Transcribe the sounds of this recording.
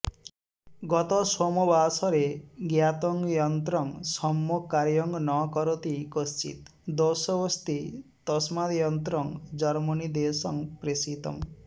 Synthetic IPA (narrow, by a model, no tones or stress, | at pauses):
ɡɔt̪ɔsomɔbasɔɾeɡjat̪ɔŋjɔnt̪ɾɔŋsɔmːɔkːaɾjɔŋɡnɔkɔɾɔt̪ikɔst͡ʃḭt̪d̪ɔsɔbɔst̪it̪ɔsmad̪jɔnt̪ɾɔŋd͡ʒɔɾmɔnid̪esɔŋpɾesit̪ɔ̰m